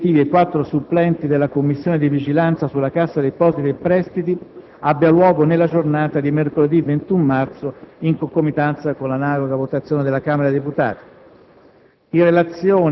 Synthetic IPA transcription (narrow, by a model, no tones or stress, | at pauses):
t̪iːviekwat̪ːɾosupːlɛnt̪id̪elːakomːisːjoːned̪ivid͡ʒilant̪sasulːakasːad̪ejpɔsit̪iepɾɛst̪it̪i | abːjalwɔːɡonelːad͡ʒornaːt̪ad̪imerkoled̪ivent̪umːart̪soiŋkoŋkomːit̪ːant̪sakonlanaːloɡavot̪at̪sjoːned̪elːakaːmeɾad̪eput̪a̰ːt̪ḁ | irːelat̪sjoːn